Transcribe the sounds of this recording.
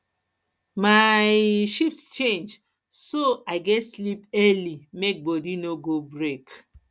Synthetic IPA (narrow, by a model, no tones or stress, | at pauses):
majʃiftt͡ʃẽnd͡ʒ | soaɪɡɛtslipɛlimek̚bɔdinoɡobɾek